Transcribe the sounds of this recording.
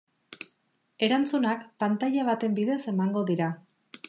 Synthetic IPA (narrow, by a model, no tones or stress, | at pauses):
e̞ɾant͡sunakpant̪aʎaβ̞at̪e̞mbiðe̞se̞maŋɡo̞ðiɾa